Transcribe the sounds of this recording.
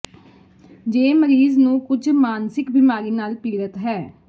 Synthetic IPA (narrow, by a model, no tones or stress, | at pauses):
d͡ʒeːməɾiːznũːkʊd͡ʒmaːnsɪkbɪmaːɾiːnaːlpiːɾət̪ɦɛː